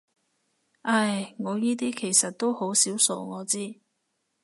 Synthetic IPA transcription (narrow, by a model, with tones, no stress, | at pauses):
ʔɐ˧˩jŋɔː˨˧jiː˥t̪̬iː˥kʰe˨˩jsɐ˨t̚t̪o˥who˨˥wsiː˨˥wso̰˨˧wŋɔː˨˧t͡siː˥